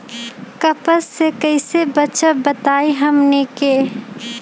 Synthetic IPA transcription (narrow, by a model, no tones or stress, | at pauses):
kəpəsːekɐɪsebətːʃəbət̪aːiɦɐmneke